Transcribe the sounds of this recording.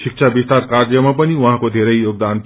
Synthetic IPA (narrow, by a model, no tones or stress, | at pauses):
sik̚t͡ʃʰabist̪aɾkaɾjʌmapʌniũɦãkod̪ʱeɾʌjjoɡ̚d̪an